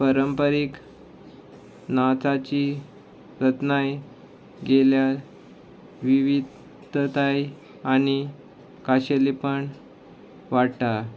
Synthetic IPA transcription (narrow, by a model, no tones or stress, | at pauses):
pəɾəmpəɾik | nat͡sat͡ɕi | ɾət̪naj | ɡelja | ʋiʋid̪ʱ | t̪aj | aɽ̃i | kaɕelipəɳ | ʋaɽta